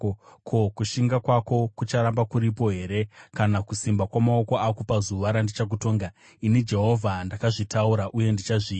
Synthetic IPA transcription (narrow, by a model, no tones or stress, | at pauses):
kʰokuʃiŋɡakwako̞kut͡ʃaɾambakuɾipo̞ɦe̞ɾe̞kanakusimbakwamao̞ko̞akopazuʋaɾandit͡ʃak̬uto̞ːŋɡa | inid͡ʒe̞ɦo̞vʱandakaʐitauɾaʔuje̞ndit͡ʃaʐiː